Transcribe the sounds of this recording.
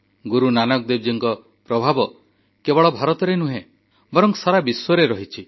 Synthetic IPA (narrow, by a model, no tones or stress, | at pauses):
ɡuɾunanɔk̚d̪eb̚d͡ʒiŋkɔ | pɾɔbʱabɔ | kebɔɭɔbʱaɾɔt̪ɔɾenuɦẽ | bɔɾɔŋsaɾabiswɔɾeɾɔɦit͡ʃʰi